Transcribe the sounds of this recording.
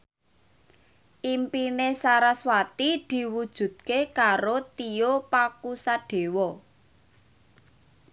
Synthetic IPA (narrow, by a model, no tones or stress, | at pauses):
ʔimpinesaɾaswat̪id̪̥i̤wud̥ʒ̥ṳd̪̥̚kekaɾot̪iopakusaɖ̥e̤wɔ